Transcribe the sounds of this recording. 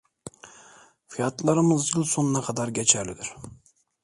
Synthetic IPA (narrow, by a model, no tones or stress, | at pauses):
fijɑt̪lˠɑɾɯmɯzjilˠso̞nunɑkʰɑd̪aɾɟet͡ʃʰæɾlid̪iɾ̥